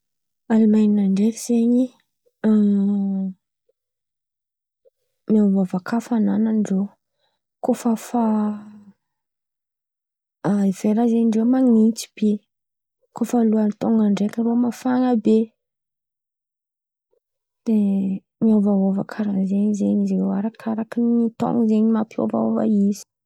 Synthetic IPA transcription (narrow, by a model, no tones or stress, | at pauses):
alimajɲinaɳɖ͡ʐekiz̥eɲi | miavavakʰafanananɖ͡ʐow | kofəfa | aiv̥eɾazeɲɳɖ͡ʐewmaŋit͡si̥b̥e | kofaluant̪oŋɡaɳɖ͡ʐekəɾoamafaŋabe | d̥̪e | miovaɦovakʰaɾazeɲizeɲizɾewaɾakʰaɾakinit̪o̰ŋɡizeɲimapʰio̰va̰o̰va̰izi̥